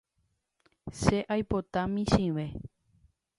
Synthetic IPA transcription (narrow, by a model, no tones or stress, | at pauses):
ʃe̞ʔajpo̞t̪amĩʃĩʋe̞